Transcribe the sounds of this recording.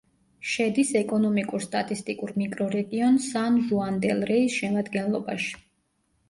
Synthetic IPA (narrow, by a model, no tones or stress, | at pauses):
ʃɛd̪isɛkʼɔnɔmikʼuɾst̪ʼat̪ʼist̪ʼikʼuɾmikʼɾɔɾɛɡiɔnsanʒuand̪ɛlˠɾɛisʃɛmad̪ɡɛnlˠɔba̰ʃi̥